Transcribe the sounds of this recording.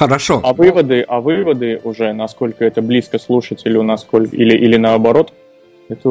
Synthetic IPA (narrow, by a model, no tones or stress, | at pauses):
xəɾɐʂɔɐvɨvəd̪ɨʔɐvɨvəd̪ɨʊʐɛnɐsko̞lʲkəɛt̪əblʲiskəslˠuʂətʲɪlʲʊnɐsko̞lʲkilʲɪʔilʲɪnəɐbɐɾo̞t̪ | ɛt̪ə